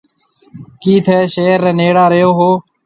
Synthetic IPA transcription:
kiːt̪ʰɛːʃeːɾːẽːneːɽaːɾəjoːɦoː

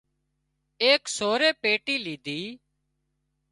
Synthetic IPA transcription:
eːksoːɾeːpeːʈiːliːd̪iː

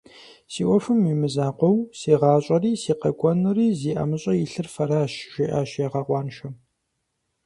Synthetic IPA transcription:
siːʔʷɔfɨmimɨzaːqʷɔwsiːʁɑːɕʼɐriːsiːqɐkʷʰʼɔnɨriːziːʔɐ̰mɨɕʼɐjiɬɨrfɐɾaːʃʒ̥ʷiʔaːʃjaʁɑqʷɑːnʃɐ

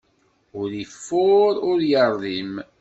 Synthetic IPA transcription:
ʊɾəfːʊɾʊɾjəɾˤðim

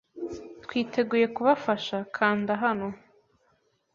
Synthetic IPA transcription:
t̪kwiːtʰe̞ɡuːje̞kuβafaʃakʰaːndaɦano̞

